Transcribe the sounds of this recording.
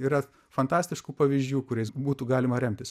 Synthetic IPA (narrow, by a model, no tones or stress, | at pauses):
iːɾɐ | fɐnt̪ɑːsʲt̪ʲɪʃkuːpɐʋʲizʲd͡ʒʲuːkʊɾʲɛɪsbuːt̪uːɡɑːlʲɪmɐɾʲɛmʲt̪ʲɪs